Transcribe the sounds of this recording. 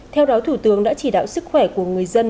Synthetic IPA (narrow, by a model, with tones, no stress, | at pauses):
t̪ʰɛ˧wɗɔ˨˦t̪ʰu˧˩t̪ɨ˨˦əŋɗa̰ː˧˥t͡ɕi˧˩ɗa̰ː˧˨wsɨ˦˥k̚xwɛ˧˩ku˧˩əŋɨ˨˩əjzə˧n